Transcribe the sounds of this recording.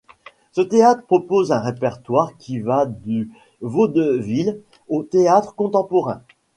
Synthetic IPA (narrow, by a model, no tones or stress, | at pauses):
sət̪eat̪χəpχɔpozɛ̃ʁepɛʁt̪waʁkʲʰivad̪y | vod̪əvil | ot̪eat̪χəkɔ̃t̪ɑ̃pɔʁɛ̰̃